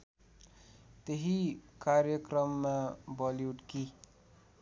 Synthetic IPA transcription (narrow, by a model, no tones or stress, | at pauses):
t̪eɦikaːɾjəkɾəmːẽbɔːljuːʈki